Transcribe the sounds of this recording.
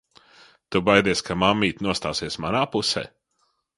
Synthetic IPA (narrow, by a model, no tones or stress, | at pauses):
t̪ubajd̪iɛskʰamamːiːt̪nuɔst̪aːsiɛsmanaːpusɛ̰ː